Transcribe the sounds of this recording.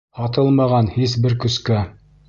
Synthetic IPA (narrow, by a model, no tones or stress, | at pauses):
ɑt̪ɤlˠmɑʁɑnhis̬bɘɾkɵ̆skæ